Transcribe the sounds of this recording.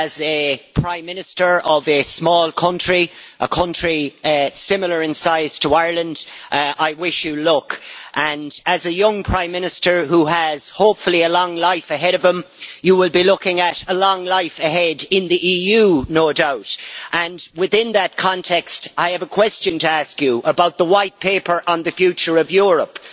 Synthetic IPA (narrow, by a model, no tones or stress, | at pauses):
əzɨpʰɹ̥ãɪ̃mːɪ̃nɨstə˞ʔʌvɨsmɔːlˠkʰʌ̃nt͡ʃɹ̥iʔəkʰʌ̃nt͡ʃɹ̥isɪ̃ml̩ˠə˞ɨ̃nsaɪz̥tʰəaɪəɹlə̃ndʔʔaɪwɪʃjəlʊkʔə̃nəzɨjʌ̃ŋpʰɹ̥ãɪ̃mːɪ̃ñɨstə˞ɦuəz̥hoʊpfəliəlɔ̃ŋlaɪfəɦɛɾʌvə̃mjəwɪlˠbilʊkɪ̃ŋəɾəlɔ̃ŋlaɪfɨɦɛdɪ̃nðiʔijʉnoʊdaʊtʔə̃nwɪðɪ̃nðət̚kʰɑ̃ntʰɛkstaɪɨvəkʰw̥ɛst͡ʃɨ̃ntʰəaskjəʔəbaʊt̪̚ðəwaɪt̚pʰeɪpə˞ʔə̃nðɨfjʉt͡ʃə˞ʌvjʊɹəp